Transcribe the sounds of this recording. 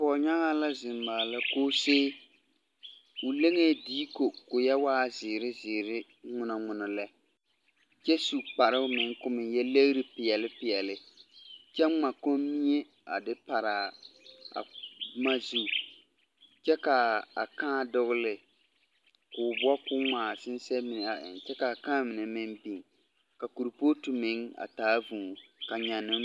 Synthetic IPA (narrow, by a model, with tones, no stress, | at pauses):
pɔ˨ɲa˦ŋa˦la˦zɪ˨n˨maː˨la˦koː˦seː˦ | ʊ˨le˦ŋe˦˨diː˦ko˨kʊ˨jɛ˦waː˦zɪ˨ɾɪ˦zɪ˨ɾɪ˦ | ŋʊ˦na˨ŋʊ˨nɔ˨lɛ˦ | t͡ʃɛ˦su˨k͡pa˨ɾɪ˦mɪ˨ŋkʊ˦mɪ˨jɛ˦le˦ɣɾɪ˦pɪ˨ɛ˨lɪ˦pɪ˨ɛ˨lɪ˨ | t͡ʃɛ˦ŋ͡ma˨ko˦mi˦e˦ | a˨dɪ˦pa˨ɾa˨ | a̰˨˦ma˦zu˦ | t͡ʃɛ˦ka˨a˨kãː˦dʊ˦ɣʊ˦lɪ˨ | kʊː˨bʊ˦a˦kʊ˦ŋaː˨sɪ˦n˦sɛ˦mɪ˨n˨a˨ɪ̰˨t͡ʃɛ˦ka˨kã˦mɪ˨nɛ˨mɪ˦nbi˨ŋ | ka˨ku˨ɾpo˦tu˨mɪ˨˦ŋa̰˨taː˦vu˨ka˨ɲa˨nːɪ˦